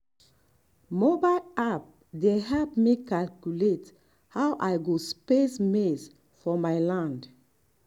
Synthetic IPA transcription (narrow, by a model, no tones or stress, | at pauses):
mɔbaap̚ | deɦɛpmikalkjulet | hawʔaɪɡospesmes | fɔmaɪlãnd